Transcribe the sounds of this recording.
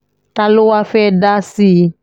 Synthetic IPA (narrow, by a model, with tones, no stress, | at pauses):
ta˦lo˦wa˦fɛ˦da˦si˦